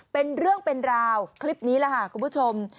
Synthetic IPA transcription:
pe˧nɾɯ˥˩əŋpe˧nɾaː˧wkʰli˦˥p̚niː˦˥la˧˩kʰa˥˩kʰu˧mpʰu˦˥t͡ɕʰo˧m

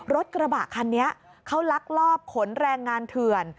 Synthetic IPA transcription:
ɾo˦˥t̪̚kɾa˧baː˨˩kʰa˧nːi˦˥ɐʔ | kʰa˦˥wla˦˥k̚lɔː˥˩p̚kʰo˩˦nɾɛː˧ŋːaː˧nt̪ʰɯ˨˧ən

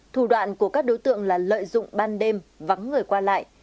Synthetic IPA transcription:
t̪ʰu˨˧˩ɗwa̰ː˧˨nku˧˩əkaː˦˥k̚ɗo˨˦jt̪ɨ̰˧˨əŋlaː˨˩lə̰ː˧˨jzʊ̰˧˨ŋ͡mɓaː˧nɗe˧mva˨˦ŋːɨ˨˩əjkwaː˧la̰ː˧˨jʔ

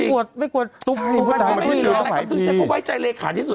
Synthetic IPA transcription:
ku˨˩ət̪̚ma˥˩jku˨˩ət̪̚lu˨˥k̪̚ːu˨˦˥ki˧lːa˨˦aː˨˧˦pʰɯ˧˩a˧˥kɔ˧˥˩waː˥˩jt͡ɕa˧jleː˧kʰaː˨˩˦t̪ʰiː˧˩su˨˩

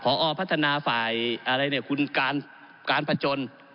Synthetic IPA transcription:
pʰɔː˨˦ʔɔː˧˩pʰt̪ʰːa˧naː˧faː˨˩jʔa˧ɾa˧jni˧˥˩ɐkʰu˧nkaː˧n | kaː˧npʰa˧t͡ɕo˧n

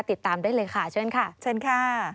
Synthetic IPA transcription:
t̪i˨˩t̪ːaː˧mdaː˥˩˨jlɤː˧jkʰa˥˩t͡ɕʰɤː˥˩nkʰa˥˩t͡ɕʰəː˥˨nkʰa˥˩

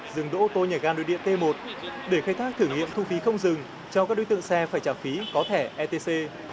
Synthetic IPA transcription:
zɨ˨˩ŋɗo̰˧˥ʔo˧˩t̪o˧ɲə˨˩ɣaː˧nɗo̰˨˦jɗḭ˧˨ənt̪e˧mo˨˩t̚ɗe˧˩xaː˧jt̪ʰaː˦˥k̚t̪ʰɨ˧˩ŋḭ˧˨əmt̪ʰu˧fi˨˦xə˧wŋ͡mzɨ˨˩ŋ | t͡ɕɔ˧wkaː˦˥k̚ɗo˨˦jt̪ɨ̰˧˨ə˨ŋsɛ˧faː˧˩jt͡ɕaː˧˩fi˨˦kɔ˨˦t̪ʰe˧˩ʔɛ˧t̪e˧se˧

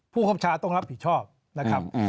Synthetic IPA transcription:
pʰuː˥˩kʰa˥˩t͡ɕʰaː˧t̪ɔ˥˩ŋɾa˦˥p̚hi˨˩t̪̚t͡ɕʰɔː˥˩p̚ | na˦˥kʰɾa˦˥p̚

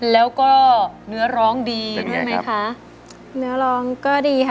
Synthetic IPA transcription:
lɛː˦˥wkɔː˥˩nɯ˦˥ɐɾɔː˦˥ŋdiː˧dɯ˥˩jma˦˥kʰa˦˥ʔ | nɯ˦˥ɐɾɔː˦˥ŋkɔː˥˩diː˧kʰ

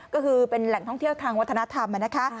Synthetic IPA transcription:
kɔː˥˩kʰɯː˧pe˧nlɛ˨˩ŋt̪ʰɔ˥˩ŋt̪ʰi˥˩əwt̪ʰaː˧ŋwa˦˥t̪ʰːna˦˥t̪ʰa˧mʔa˧˩na˦˥kʰa˦˥

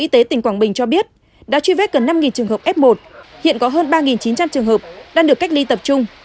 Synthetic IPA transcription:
ʔi˧t̪e˨˦t̪ï˨˩ŋ̟kwaː˧˩ŋɓï˨˩ŋ̟t͡ɕɔ˧ɓi˦˥ət̚ | ɗa̰ː˧˥t͡ɕwi˧vɛ˦˥t̚ɣə˨˩nːa˧mŋi˨˩nt͡ɕɨ˨˩əŋɦə˨˩p̚ʔɛ˦˥p̚mo˨˩t̚hḭ˧˨ənkɔ˨˦ɦəː˧nɓaː˧ŋi˨˩nt͡ɕi˨˦nt͡ɕa˧mt͡ɕɨ˨˩əŋɦəː˨˩p̚ɗaː˧ŋɗəkːa˦˥jk̚li˧t̪ə˨˩p̚t͡ɕʊ˧ŋ͡m

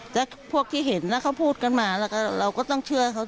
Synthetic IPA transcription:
t̪ɛː˨˧˦ | pʰu˥˩ək̚t̪ʰiː˥˩ɦe˩˦nːa˦˥kʰa˦˥˩wpʰuː˥˩t̪̚ka˧nmaː˧lɛː˧˩kʰa˥˩ɾa˧wkɔː˥˩t̪ɔ˥˩ŋt͡ɕʰɯ˥˩ɐkʰa˦˥˩

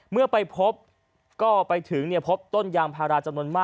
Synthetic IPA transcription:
mɯ˥˩ɐpa˧jpʰo˦˥p̚ | kɔː˥˩pa˧jt̪ʰɯ˩˦ŋni˥˩ɐpʰo˦˥p̚t̪o˥˩njaː˧ŋpʰaː˧ɾaː˧t͡ɕa˧mnu˧ənmaː˥˩

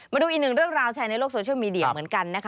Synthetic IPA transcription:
maː˧duː˧ʔi˨˩nɯ˨˩ŋɾɯ˥˩əŋɾaː˧wt͡ɕʰɛː˧na˧jloː˥˩k̚soː˧t͡ɕʰwmiː˧˩di˧˩ə˧mɯ˩˦ənka˧nːa˦˥kʰa˦

